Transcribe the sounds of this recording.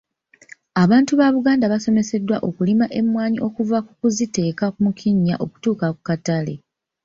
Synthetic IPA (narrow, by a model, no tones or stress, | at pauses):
aβaːntuβaβuɡaːndaβaso̞me̞se̞dːwaʔo̞kulimaʔe̞mːwaːɲiʔo̞kuvakukuzite̞ːkakumukʰiɲːa̰ʔo̞ku̥tuːkakukatale̞̰